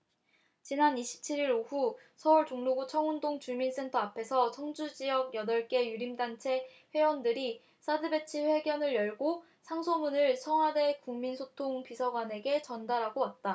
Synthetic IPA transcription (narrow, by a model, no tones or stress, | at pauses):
t͡ɕinaniɕʰi̥p̚t͡ɕʰiɾiɾoɸu | sʰʌuɭt͡ɕoŋnoɡut͡ɕʰʌŋundoŋt͡ɕuɭmins͈ʰe̞ntʰʌapʰe̞sʰʌsʰʌŋd͡ʑud͡ʑijʌɡjʌdʌɭk͈e̞juɾimdant͡ɕʰe̞ | ɸwe̞wʌndɯɾi | s͈ʰadɯbe̞t͡ɕʰiɸwe̞ɡjʌnɯɭjʌɭɡo | sʰaŋsʰomunɯɭsʰʌŋwade̞kuŋminsʰotʰoŋpisʰʌɡwane̞ɡe̞t͡ɕʌndaɾaɡoat̚t͈a